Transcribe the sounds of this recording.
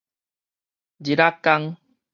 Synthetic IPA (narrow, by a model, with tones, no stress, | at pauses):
d͡ʑi˨ɾa˦kːa˦ŋ